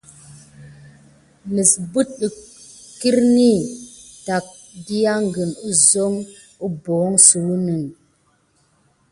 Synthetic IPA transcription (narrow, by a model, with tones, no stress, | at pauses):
mi˨sbu˦t̚ɗi˨ | ki˦ɾni˦ta˨k̚ | di˦ja˦ŋɡɨ˨nu˦zo˦ŋ | u˦bo˨˦ŋsu˨ɾu˦ni˨ŋ